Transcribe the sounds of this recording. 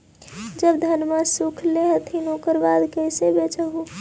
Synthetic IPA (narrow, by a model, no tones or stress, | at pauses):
d͡ʒəbd̪ʱənmasukʰleɦt̪ʰinokəɾbad̪kəɪsebet͡ʃəɦu